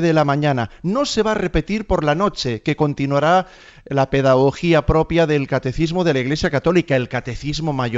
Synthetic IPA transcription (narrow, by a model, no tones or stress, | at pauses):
ðelamãɲananose̞β̞are̞pe̞t̪iɾpo̞ɾlano̞t͡ʃe̞ke̞ko̞nt̪inwaɾa | lape̞ðaɣ̞o̞xiapɾo̞pjaðe̞lkat̪e̞θizmoð̞e̞laiɣle̞sjakat̪o̞likaelkat̪e̞θizmo̞maʝo